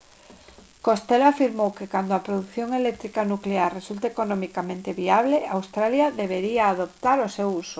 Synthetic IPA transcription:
kost̪elafiɾmowkekand̪oapɾoðuθjoŋelek̚t̪ɾikanukleaɾresult̪aekonõmikamẽnt̪eβiaβ̞leawst̪ɾaljaðeβ̞eɾiaːðop̚t̪aɾosewuso

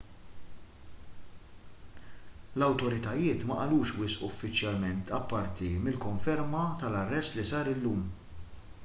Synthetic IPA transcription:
lɐwt̪ɔɾɪt̪ɐjɪːt̪mɐʔɐluːʃwɪsʔʊɔfːɪt͡ʃjɐlmɛnt̪ʰɐpːɐɾt̪imɪlkɔɱfɛɾmɐt̪ɐlɐrːɛst̪lisɐːɾɪlːuːm

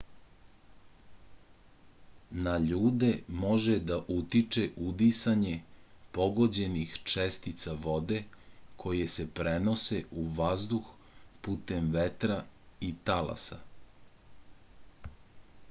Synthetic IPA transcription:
naʎuːd̪e̞mo̞ʒed̪aʔut̪it͡ʂeʔud̪isaɲepo̞ɡod͡ʑe̞nixt͡ʂest̪it̪saʋo̞d̪e̞kʰo̞jesepɾeno̞se̞uʋazd̪ux | puːt̪emʋet̪ɾait̪ala̰sa̰

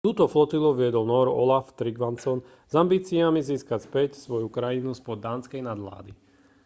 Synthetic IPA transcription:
t̪uːt̪ɔflɔt̪iluʋɪɛd̪ɔlnɔɾɔ̰laft̪ɾiɡʋansɔn | zambiːt͡siamiziːskacspɛcsʋɔjukɾajinuspɔd̪ːaːnskɛjnad̪la̰ːd̪i

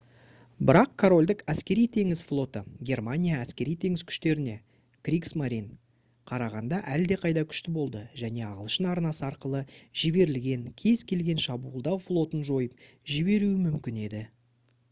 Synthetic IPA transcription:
bɪɾɑqkʰoɾo̞lʲd̪ɪkæskʲe̞ɾijt̪ʰe̞ŋɪzflˠo̞t̪əɡʲe̞rmanʲijaæskʲe̞ɾijt̪ʰe̞ŋɪz̥kʲʰʏ̥ʃt̪e̞ɾɪne̞ | krʲiksmaɾʲin | qʰɑɾɑʁɑnd̪ɑʔæld̪e̞qʰɑjd̪ɑkʲʰʏ̥ʃt̪ɪbo̞lˠd̪əʒæne̞ɑʁəlˠʃənɑɾnɑsəɑɾqəlˠəʒɪbe̞ɾɪlɡʲe̞ŋkʲʰe̞z̥kʲʰe̞lɡʲe̞nʃɑbuːlˠd̪ɑwflˠo̞t̪ənʒo̞jəp̚ʒɪbe̞ɾuɪmʏmkʲɪne̞d̪ɪ

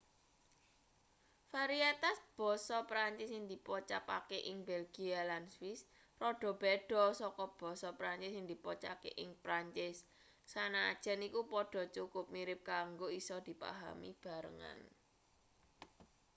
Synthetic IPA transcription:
faɾiat̪asb̥ɔ̤sɔpɾaɲt͡ʃɪsɪŋd̪ipɔt͡ʃa̰pakeʔɪŋbɛlɡ̥ialanswɪs | rɔɖ̥ɔ̤b̥ɛɖ̥ɔ̤sɔkɔb̥ɔ̤sɔpɾaɲt͡ʃɪsɪŋd̪̥i̤pɔt͡ʃakḛʔɪŋpɾaɲt͡ʃɪsː | ana̰ːd̥ʒ̥ɛ̤nikupɔɖ̥ɔ̤t͡ʃukʊp̚miɾɪp̚kaŋɡoisɔd̪̥i̤pa̰ɦa̰mḭb̥a̤ɾə̰ŋa̰n

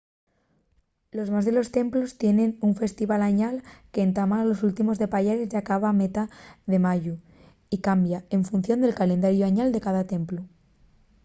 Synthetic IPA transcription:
lo̞zmazðe̞lo̞st̪e̞mplo̞st̪je̞ne̞nuɱfe̞st̪iβalaɲalke̞ːnt̪amalo̞sult̪imo̞zðe̞paʎeɾezʝakaβ̞amet̪aðe̞maʝu | ikambjae̞ɱfunθjo̞nd̪e̞lkalẽ̞nd̪aɾjoaɲald̪e̞kaðat̪e̞mplo

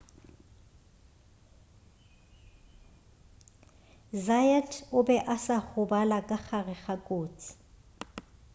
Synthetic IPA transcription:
zajɛtʰʊbɛʔasaχʊbalakʼak͡xarɪχakʼoːt͡sʰʼɪ̥

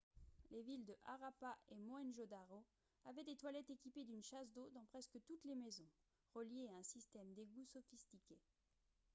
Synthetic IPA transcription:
levild̪əʔa̰ʁapaʔemɔɛnʒod̪aʁo | avɛd̪et̪walɛt̪ekʲiped̪ynʃas̬d̪od̪ɑ̃pχɛskət̪ut̪lemezɔ̃ | ʁəljeaɛ̃sist̪ɛmd̪eɡusɔfist̪ikʲe

